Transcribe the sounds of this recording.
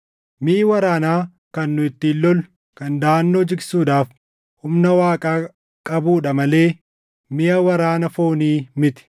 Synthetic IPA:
miːwɐɾaːnaː | kɐnːʊɪt̪ːɪːlːɔlʊ | kɐnd̪aːnːo̞ːd͡ʒɪɡsuːᶑ̪aːf | hʊmnɐwaːkʼaː | kʼɐbuːᶑɐmɐle̞ː | mɪʔɐwɐɾaːnɐfo̞ːniːmɪt̪ɪ̥

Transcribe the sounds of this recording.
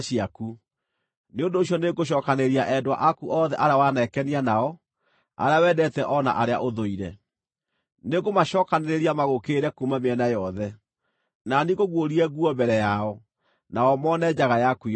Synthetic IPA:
ɕiaku | neondoːɕjɔneɡoɕ̬ɔːkaneɾiaʔɛdwa̰ʔakuʔɔðɛʔaɾeawanɛkɛnianaɔ | a̰ɾeawɛdɛtɛʔɔna̰ʔaɾea̰ʔoðoiɾɛ | neɣomaɕɔkaneɾeɾiamaɣokeɾɛkumameɛnajɔðɛ | naniɣoɣwoɾiɛɣuɔmbɛɾɛjaɔ | naɔmɔnɛd͡ʑaɣajaku

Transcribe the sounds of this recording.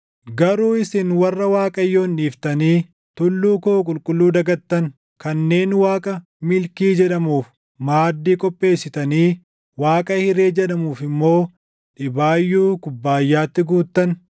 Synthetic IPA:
ɡɐɾuːɪsɪnwɐrːɐwaːkʼɐjːo̞ːnᶑiːft̪ɐniː | t̪ʊlːuːkoːkʼʊlkʼʊlːuːd̪ɐɡɐt̪ːɐn | kɐnːe̞ːnwaːkʼɐ | mɪlkiːd͡ʒɛᶑɐmuːf | maːd̪ːiːkʼɔpʼːe̞ːsːɪt̪ɐniː | waːkʼɐhɪɾe̞ːd͡ʒɛᶑɐmuːfɪmːo̞ː | ᶑɪbaːjːuːkʊbːaːjːaːt̪ːɪɡuːt̪ːɐn

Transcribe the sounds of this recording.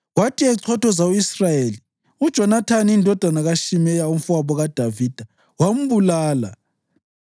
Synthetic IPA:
watʰiɛǀʰɔtʰɔzauisrajeːli | ud̥ʒ̥ʱɔnatʰaniːndʱɔd̥ʱanaɣaʃimɛjaum̩faβɔɣad̥ʱaviːd̥ʱa | wam̩βulaːla̰

